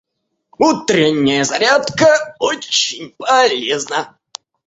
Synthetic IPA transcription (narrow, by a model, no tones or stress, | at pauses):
ut̪ɾʲɪnʲːɪjəzɐɾʲat̪kəot͡ɕːɪnʲpɐlʲeznə